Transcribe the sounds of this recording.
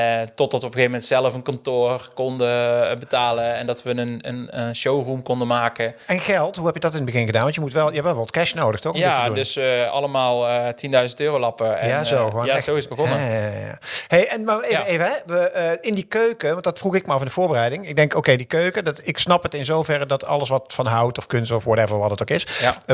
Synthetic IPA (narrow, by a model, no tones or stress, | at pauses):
tɔtdɑtɔpəɣejvəmɛntsɛləfənkɔntoːrkɔndəbətaːləɛndɑtʋəənənənʃowrumkɔndəmaːkəɛnɣɛlˠtɦuɦɛpjədɔtɪnbəɣɪnɣədaːnʋɑntjəmutʋɛlˠjəɛpʋɛlˠʋɔlˠətkɛʃnoːwdəxtɔxɔjmatːədundɵsɑ̰ləmaːlˠətindœɥzəntøːrowlɑpəɛjaːzowxoːnzowɪsbəɔnəaja̰ːhejʔɛnmaːrejejvəɦɛʋəɪndikøɥkəʋɑntdɑtfruxɪk̚məɑfɪndəvʊːɹbərɛjdɪŋɪɡ̚dɛŋkowkejdikøɥkədɑtɪksnɑpətɪnzowvɛrədɑtɑ̰ləsʋɑtfɑnɦʌwtɔfkɵnstɔfwɑtɛvəɹʋɑtətokɪs